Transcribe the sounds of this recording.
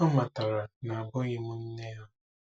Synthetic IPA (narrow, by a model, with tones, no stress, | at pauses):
ɔ˦ma˨tɔ˨ɾa˨na˨a˨ɡɔ˦ɲɪ˦mu˦n̩˦ne˦ɦɔ˦